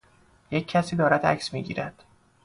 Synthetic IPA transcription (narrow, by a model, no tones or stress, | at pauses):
jecʰːæsiːd̪ɒːɾæd̪æ̰ksmiːɟḭːɾæd̪̥